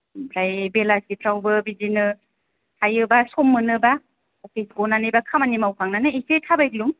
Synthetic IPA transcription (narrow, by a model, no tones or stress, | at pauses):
pʰɾajbelasipʰɾawbɯbizinɯ | tʰajɯbasɔmːɯnɯba | ɔpʰisɡɔnanɯjbakʰamanimawkʰaŋnanɯisetʰabajkluŋ